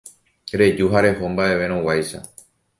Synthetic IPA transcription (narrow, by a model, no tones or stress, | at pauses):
ɾe̞d͡ʒuɦaɾe̞ho̞mbaʔe̞ʋe̞ɾ̃õwajʃa̰